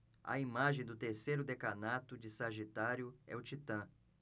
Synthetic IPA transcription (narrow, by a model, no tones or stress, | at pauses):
ɐ̰imaʒẽj̃d̪ʊt̪eɾsejɾʊd̪ekanat̪ʊd͡ʒɪsaʒit̪aɾjʊɛ̰ʊt͡ʃit̪ɐ̃